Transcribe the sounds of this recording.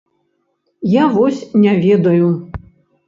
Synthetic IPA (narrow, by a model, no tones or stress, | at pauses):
javɔsʲnʲavʲɛd̪ɐju